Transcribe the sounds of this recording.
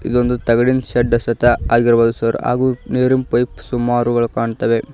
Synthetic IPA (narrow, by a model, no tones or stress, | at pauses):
ḭd̪ond̪ut̪ɐɡɐɽinʃɐɖːɐsɐt̪ɐaːɡiɾɐbaːd̪usɐɾa̰ːɡuːneːɾimpɐjpsumːaːɾuɡɐɭkaːɳt̪ɐʋe̞